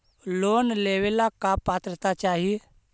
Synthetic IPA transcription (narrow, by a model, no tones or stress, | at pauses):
lonleʋelakapat̪ɾət̪at͡ɕaɦi